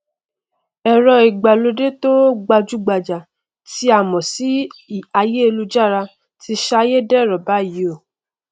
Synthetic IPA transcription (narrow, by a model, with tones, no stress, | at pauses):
ɛ˧ɾɔ˧i˨ɡ͡ba˨lo˧de˦to˦ɡ͡ba˧d͡ʒu˦ɡ͡ba˨d͡ʒa˨ | ti˧˦a˦˨mɔ̃˨si˨˦˨a˧je˦e˧lu˧d͡ʒa˦˨ɾa˧ | ti˧ʃa˧je˦dɛ˦˨ɾɔ˨ba˨˦i˨˦o˦˨